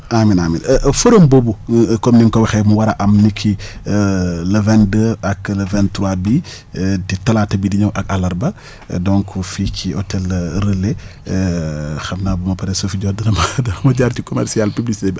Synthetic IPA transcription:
aminaminfəɾombobukɔmniŋkɔwxɛmuwɐɾɐʔɐmnikʰːi | lɐvɛndəɐklɐvɛntɾabi | titɐlatɐbidiɲɐwʔɐkɐlɐɾbɐ | dɔŋkʰufikʰiɔ̰tɛlɾəlːe | xɐmnaːbumɐpɐɾɛsofiɟɔːdɐnɐmɐdɐnɐmɐɟaɾcikɔmɛ̰ɾsialpiblisiteb

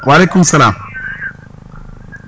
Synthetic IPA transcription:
walekʊmsɐlaːm

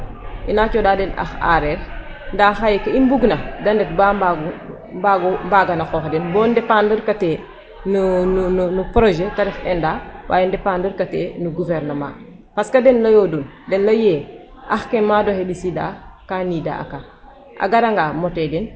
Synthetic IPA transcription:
inat͡ʃodaːdɛna̰xa̰ɾeɾ | ndaːxajekaimbuɡnɐdɐndet̚bamaɡ | mbaɡumbaɡanaxoːxdɛnbɔːndepandəɾkate | nunununupɾoʒetaɾixendaːwʔa̰ːjendepandəɾkatḛnuɡuveɾnɐma̰ | paskadenlajodun | dɛnlaje | ʔaxkemaːdohebisida̰kanida̰a̰ka | ʔa̰ɡaɾaŋɡamoteden

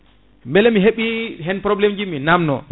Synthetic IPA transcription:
mbɛlɛmiɦeɓiɦɛnpɾɔblɛmd͡ʒiminamnɔ̰

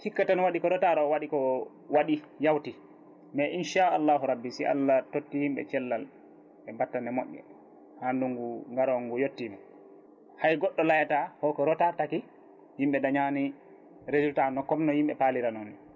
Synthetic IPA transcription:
hikːatanɔwaɗikɔɾɔtaɾɔwaɗikɔ | waɗijawti | mɛʔinʃaalːaːɦuɾabːisiʔa̰lːatotːihimɓɛ̰t͡ʃɛlːal | ɛmbatːanɛmo̰ʔːɛ̰ | handuŋɡuŋɡaɾɔŋɡujotːinɛ | hajɡɔɗːɔlajatahɔkɔɾɔtataki | himɓɛdaɲani | ɾezultanɔkɔmnɔhimɓɛpaliɾanɔn

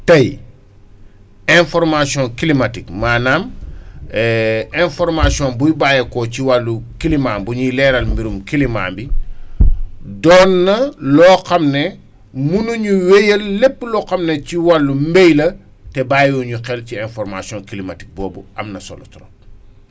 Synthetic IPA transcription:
tɐj | ɛnfɔrmasiɔ̃nkilimatikmaːnaːm | ɛɛnfɔɾmasiɔnbujbaːjɐkɔciwalːukilimaːmbuɲulɛːɾɐlmbiɾumkilima̰ːmbi | dɔnːɐlɔːxɐmnɛ | munuɲuwejəlːɛpːlɔxɐmnɛciwalːumbɛjlɐ | tɛbaːjɔɲuxɛlciɛnfɔɾmasiɔ̃nkilimati̥k̚bɔːbuʔɐmnɐsɔ̰lɔtɾɔ̰

